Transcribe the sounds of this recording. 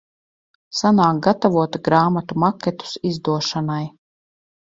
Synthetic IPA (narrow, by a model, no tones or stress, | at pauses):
sanaːk̚ɡat̪avuɔt̪ɡɾaːmat̪umakʲɛt̪u̥sizd̪uɔʃanaj